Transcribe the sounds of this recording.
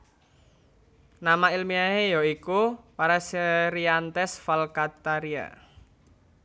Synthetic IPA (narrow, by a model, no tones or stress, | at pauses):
namailmiaɦejɔikupaɾaseɾiant̪ɛsfalkat̪aɾia̰